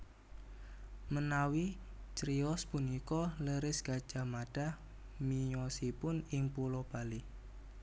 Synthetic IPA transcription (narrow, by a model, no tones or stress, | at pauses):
mənawit͡ʃɾiɔspunikɔləɾɪsɡ̥a̤̥ʒ̥a̤maɖ̥a̤h | miɲɔsipʊnɪŋpulɔb̥ali